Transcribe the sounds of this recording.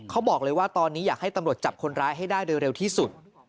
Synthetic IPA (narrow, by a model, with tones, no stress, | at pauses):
kʰa˦˥wbɔː˨˩k̚lɤː˧jwaː˥˩t̪ɔː˧nːiː˦˥jaː˨˩k̚ha˥˩jt̪a˧mɾu˨˩ət̪̚t͡ɕa˨˩p̚kʰo˧nɾaː˦˥jɦa˥˩jdaː˥˩jɾoː˧jɾe˧wt̪ʰiː˥˩su˨˩t̪̚